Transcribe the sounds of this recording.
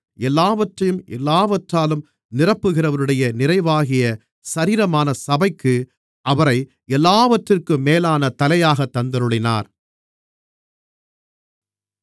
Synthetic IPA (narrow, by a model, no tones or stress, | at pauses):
ɛlːaːʋɐʈrɐjɯmʔɛlːaːʋɐʈraːlɯm | nɪrɐpːɯɣɪrɐʋɐɾɯɽɐjɐnɪrɐɪʋaːɣɪjɐ | sɐɾiːɾɐmaːnɐsɐbɐɪkːɯ | ʔɐʋɐɾɐɪ | ɛlːaːʋɐʈrɪrkɯmeːlaːnɐt̪ɐlɐjaːɣɐt̪ːɐnd̪ɐɾɯɭɪna̰ːɾ